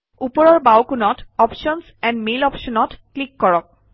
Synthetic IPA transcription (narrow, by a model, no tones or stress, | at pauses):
upɔɹɔɹbawkunɔtɔpʃɔnsɛnmelɔpʃɔnɔtklikːɔɹɔk̚